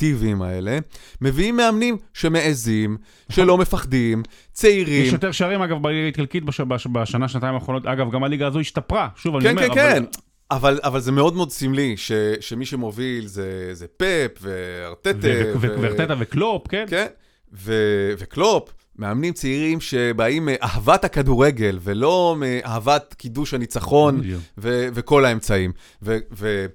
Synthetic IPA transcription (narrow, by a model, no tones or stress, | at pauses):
t̪ivima̰ele̞me̞viimːeamnimʃe̞meezim | ʃelo̞mefaχdimt͡seiʁijɛʃjot̪eʁʃaʁimaɡavbaliɡait̪kalkit̪̚baʃbabaʃanaʃnat̪aimaːχʁonot̪aɡavɡamaliɡaːzoiʃtapʁaʃuvaniomeeen | avalavalzemeo̞d̪meod̪simliʃeʃemiʃemo̞vilzezepepvea̰ʁt̪eteveveʁt̪et̪aveklopkenken | veve̞klo̞p | meamnimt͡seiʁimʃe̞baimʔahavat̪hakaduʁe̞ɡe̞lvelo̞meʔahavat̪kiduʃhanit͡saχo̞nve̞ve̞ko̞lae̞mt͡saim | veve